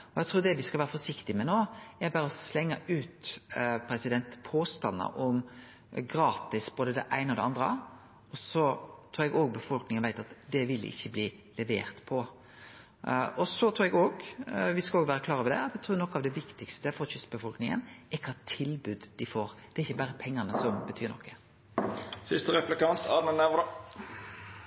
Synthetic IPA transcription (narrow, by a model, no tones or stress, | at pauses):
ɔɛɡt̪ʰɾuːɾd̪ɛʋɪskɑlʋæːɾəfɔʂɪkt̪ɪmɛnoːɛbɑːɾəɔslɛŋːəʉːt̪pʰɾɛsɪd̪ɛnt̪pʰoːst̪ɑnːə̰ʔɔm | ɡɾɑːt̪ɪsb̥oːd̪əd̪ɛ̰ʔæɪnəɔd̪ɛɑnd̪ɾə̰ | ɔsɔt̪ʰɾuːɾɛɡoːɡ̚bəfɔlknɪŋənʋæɪt̪ɑt̪d̪ɛʋɪlːɪ̰çːəbliː | lɛʋḛːɾt̪pʰɔ | ɔsɔt̪ʰɾʉːɛɡoːɡʋɪskɑloːɡʋæːɾəkʰlɑːɾəʋɛd̪ɛ̰ɑt̪ɛɡt̪ʰɾuːɾnɔkːɑʋd̪ɛʋɪkt̪ɪkst̪əfɔɾɕʏst̪bəfɔlknɪŋə̰nɛkʰɑt̪ʰɪlbʉd̪d̪ɪfoːɾd̪̥ɛɾɪçːəbæːɾəpʰɛŋːənəsɔmbət̪ʰyːɾnɔ̰kːə̥ | sʏst̪əʁɛplɪkɑnt̪ʰɑmənæʋd̪